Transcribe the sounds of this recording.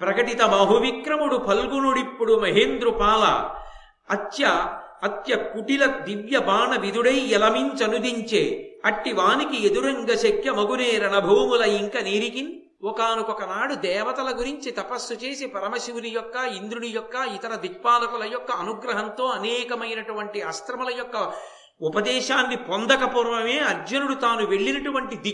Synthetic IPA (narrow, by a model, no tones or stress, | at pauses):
pɾɐkɐʈit̪ɐmaːɦuʋikɾɐmuɽupʰɐlɡunuɽipːuɽumɐɦeːnd̪ɾupaːlɐ̰ | ɐt̪jɐɐt̪jɐkuʈilɐd̪iʋjɐbaːɳɐʋid̪uɽɐjɛlɐmint͡ʃɐnud̪iɲt͡ʃeːɐʈːiʋaːnikied̪uɾɐŋɡɐʃɐkʰjɐmɐɡuneːɾɐɳɐbʱɐːmulɐjiŋkɐniːɾikin | ɔkaːnukɔkɐnaːɽud̪ɛːʋɐt̪ɐlɐɡuɾiɲt͡ʃit̪ɐpɐsːut͡ʃeːsepɐɾɐmɐsiwunijɔkːɐind̪ɾuɽijɔkːɐit̪ɐɾɐd̪ik̚paːlɐkulɐjɔkːɐːnuɡɾɐɦɐnt̪o̞ːɐnɛːkɐmɐjnɐʈuʋɐɳʈiɐst̪ɾɐmɐlɐjɔkːɐ | upɐd̪ɛːʃaːnːipond̪ɐkɐpuːɾʋɐme̞ːɐɾd͡ʒɐnuɽut̪aːnuʋe̞ɭːinɐʈuʋɐɳʈid̪i